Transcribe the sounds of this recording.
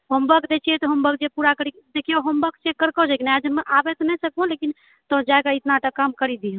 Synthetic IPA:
ɦəmbəkd̪et͡ʃʰiɛt̪ɔɦəmbək̚d͡ʒepuɾakəɾikd̪ekʰijoɦəmbəkt͡ʃekːəɾkɔd͡ʒakinad͡ʒəmeʔabɛt̪ɔnɛsəkõlekin | t̪əd͡ʒakait̪naʈakamkəɾid̪iɦə̃

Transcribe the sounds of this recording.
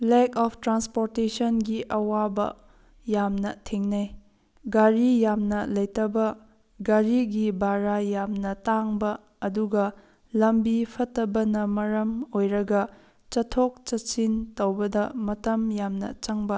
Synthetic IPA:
lɛkɔpʰtɾanspoɾtesɐnɡiʔɐwabɐ̰ | jamnɐtʰeŋnaj | ɡaɾijamnɐlɐjtɐbɐ | ɡaɾiɡibaɾajamnɐtaŋbɐː | duɡɐ | lɐmbipʰɐtːɐbɐnɐmɐɾɐmojɾɐɡɐ | t͡ʃɐtʰok̚t͡ʃɐtt͡ʃintɐwbɐdɐmɐtɐmjamnɐ̰t͡ʃɐŋbɐ

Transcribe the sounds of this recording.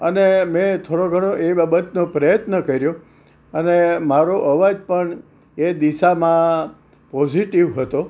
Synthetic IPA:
ənemẽt̪ʰoɽoɡʱəɽ̃oʔebabət̪nopɾəjət̪nəkəɾjo | ənemaɾoʔəʋad͡ʒpəɳ | ed̪iʃamã | pɔd͡ʒiʈiʋɦət̪o

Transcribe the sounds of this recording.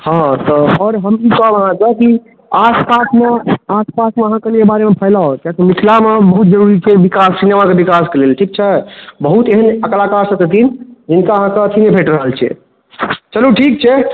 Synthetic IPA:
hãt̪ɔɔːɾɦəmikɔbəɦãkeki | aspasmeaspasmeəɦãkəlikebaɾemepʰəɪlaokjak̪emikʰlamebəɦut̪̚d͡ʒəɾuɾit͡ʃʰɛbikassinjamãkebikaskelelʈʰik̚t͡ʃʰɛbəɦut̪eɦənəklakaɾsə̃t̪et̪ʰind͡ʒinkaəɦãkeət̪ʰinebʱeʈɾəɦəlt͡ʃʰɛ̰ | t͡ʃəluʈʰikt͡ʃʰɛ

